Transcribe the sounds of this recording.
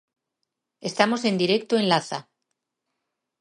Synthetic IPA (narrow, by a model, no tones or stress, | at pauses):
e̞st̪amo̞se̞nd̪iɾe̞k̚t̪oe̞nlaθa̰